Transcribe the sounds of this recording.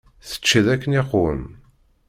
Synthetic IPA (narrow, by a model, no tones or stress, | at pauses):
θə̥t͡ʃːðækːəneqʊə̰n